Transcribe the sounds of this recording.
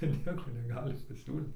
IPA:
ɪr ˈnʲiɛkoː nʲɛˈɡɑːlʲɪ pɐˈsʲuːlʲiːt

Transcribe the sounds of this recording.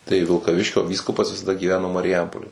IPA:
tɐɪ ʋʲɪlˠkɐˈʋʲɪʃʲkʲoː ˈʋʲiːskʊpɐs ʋʲɪsɐˈdɐ ɡʲiːˈʋʲæːnoː mɐrʲɪˈjɛmpoːlʲeː

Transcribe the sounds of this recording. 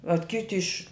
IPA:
ʋɐt ˈkʲɪtʲɪ ɪʃʲ

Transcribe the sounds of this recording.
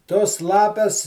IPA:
toːs ˈlˠɑːpʲɛs

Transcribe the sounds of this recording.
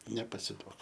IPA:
nʲɛpɐsʲɪˈduɔk

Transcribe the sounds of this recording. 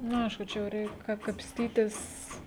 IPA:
ˈnʊ ˈɐɪʃkʊ ˈt͡ʃʲɛ jɛʊ ˈrʲɛɪk kɐ kɐpʲsʲˈtʲiːtʲɪs

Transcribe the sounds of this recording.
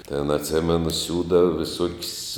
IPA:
tʲeːn ɐtʲˈsʲeːmʲɛnʊ ˈsʲuːdɐʋɐ ʋʲɪˈsuɔkʲsʲ

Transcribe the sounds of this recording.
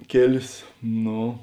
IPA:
ˈkʲeːlʲeːs ˈnoː

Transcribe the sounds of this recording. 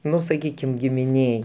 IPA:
ˈnʊ sɐˈkʲiːkʲɪm ɡʲɪmʲɪˈnʲeːj

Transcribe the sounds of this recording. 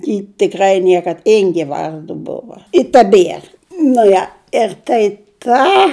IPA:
jɪ tʲɪˈkrɐɪ ˈnʲiɛkɐt ˈɪŋʲɡʲeː ˈʋɐrdʊ ˈbʊʋɐ ɪ tɐˈbʲiɛr nʊ ˈjɛ ɪr tɐɪ ˈkɑː

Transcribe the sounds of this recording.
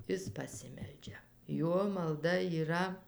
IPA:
ˈɪs pɐˈsʲɪmʲɛlʲd͡ʒʲɛ ˈjuɔ mɐlˠˈdɐ iːˈrɐ

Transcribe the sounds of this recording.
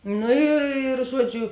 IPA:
ˈnʊ ɪr ɪr ˈʒuɔˌd͡ʒʲʊ

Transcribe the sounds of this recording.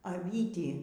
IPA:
ɐˈʋʲiːtʲiː

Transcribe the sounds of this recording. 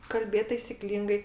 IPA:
kɐlʲˈbʲeːt tɐɪsʲɪˈklʲiːŋɡɐɪ

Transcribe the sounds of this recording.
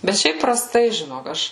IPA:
bʲɛt ˈʃʲɛɪp prɐˈstɐɪ ʒʲɪˈnoːk ˈɐʃ

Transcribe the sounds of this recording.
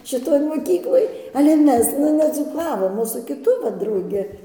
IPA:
ʃʲɪˈtoːj moːˈkʲiːklˠoːj ɐlʲɛ ˈmʲɛs nʊ nʲɛd͡zuːˈkɑːʋoːm oː sʊ kʲɪˈtʊ ˈʋɐ drɐʊˈɡʲɪ

